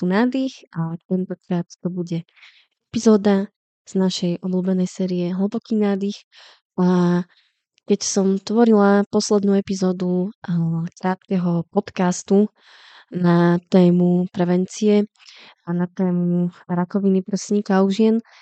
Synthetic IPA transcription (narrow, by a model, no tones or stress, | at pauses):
t̪unaːd̪ixat̪ɛnt̪ɔkɾaːt̪t̪ɔbuɟɛ | ɛpizɔːd̪a | z̥naʃɛjʔɔbluːbɛnɛjsɛːɾijɛɦl̩bɔkiːnaːd̪ix | a | kɛcsɔmt̪ʋɔɾilapɔslɛd̪nuːɛpizɔːd̪u | kɾaːt̪kɛɦɔpɔt̪kast̪u | nat̪ɛːmupɾɛʋɛnt͡siɛ | anat̪ɛːmuɾakɔʋinipɾɛsɲiːkauʒɪɛn